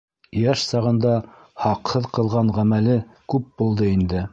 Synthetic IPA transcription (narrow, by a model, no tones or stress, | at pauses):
jæʃsɑʁɤ̆nd̪ɑ | hɑqhɤðqɤ̆lˠʁɑɴʁæmælɘkʉp̚bulˠd̪ɤind̪ɘ